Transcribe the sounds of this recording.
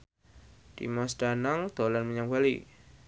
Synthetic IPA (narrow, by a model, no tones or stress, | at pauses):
d̥ḭmɔsd̥anaŋd̪̥olanməɲaŋbalḭ